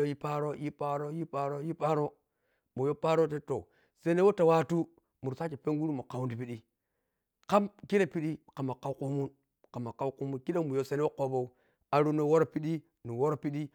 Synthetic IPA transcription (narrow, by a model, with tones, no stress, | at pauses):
o˦ji˦pa˦ɾo˦ji˦pa˦ɾo˦ji˦pa˦ɾo˦ji˦pa˦ɾo˦ | mo˨jo˦pa˦ɾo˦te˦to˨ | se˦ne˦wo˦ta˨wa˦tu˦ | mu˨ɾsa˦t͡ʃi˨pe˦ŋɡu˦ɾu˦mo˨ka˨wu˦ndi˨pi˦ɗi˦ | ka˦mki˦ne˦pi˦ɗi˦ka˨ma˨ka˦u˦ku˦mu˦n | ka˨ma˨ka˦wku˦mu˦nki˦ɗe˦mu˨jo˦se˦ne˦wo˦ko˦bo˦u˦ | a˨ɾu˦no˦wo˦ɾo˦pi˦ɗi˦ | nu˨wo˦ɾo˨pi˦ɗi˦